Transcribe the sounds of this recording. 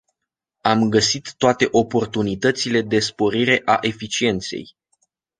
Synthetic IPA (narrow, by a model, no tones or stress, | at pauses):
amɡəsit̪ːoat̪e̞ʔo̞po̞rt̪unit̪ət̪sile̞d̪e̞spo̞ɾiɾe̞ʔaʔe̞fit͡ʃie̞nt̪se̞̰j